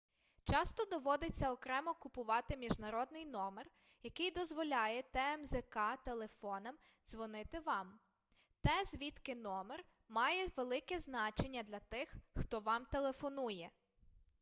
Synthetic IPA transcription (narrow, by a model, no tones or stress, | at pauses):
t͡ʃɑst̪ɔd̪ɔʋɔd̪ɪt͡sʲːɐɔkɾɛmɔkʊpʊʋɑt̪ɪmʲiʒnɐɾɔd̪nɪjnɔmer | jɐkɪjd̪ɔzʋɔlʲɑjɛt̪ɛɛmzɛkɑt̪elˠefɔnɐm | zʋɔnɪt̪ɪʋɑm | t̪ɛzʲʋʲit̪kɪnɔmer | mɑjɛʋelˠɪkɛznɑt͡ʃe̞nʲːɐd̪lʲɐt̪ɪxxt̪ɔʋɑmt̪elˠe̞fɔnujɛ